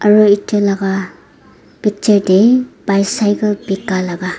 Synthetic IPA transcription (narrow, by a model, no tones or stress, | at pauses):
aɾoitʰɯlaɡa | pik̚t͡ʃeɾdebajsajɡɯbikːalaɡa